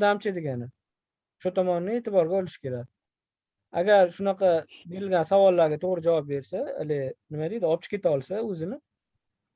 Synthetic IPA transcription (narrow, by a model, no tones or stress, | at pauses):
d̪amt͡ʃʰad̪eɡʲanɪ | ʃʊt̪ʰɒmɒnnɪe̞t̪ʰɪbɒɾɡʲaɒlɪʃɪ̥kʲʰe̞ɾakʲ | a̰ɡʲaɾʃʊnaqʰɑbe̞ɾɪlɡʲansavɒlːaɾɡʲat̪ʰoʁɾɪd͡ʒavɒp̚be̞ɾsaḛlɪnɪmad̪ejd̪ɪɒp̚t͡ʃʰɪ̥kʲʰe̞t̪aɒlˠsaɵzɪnɪ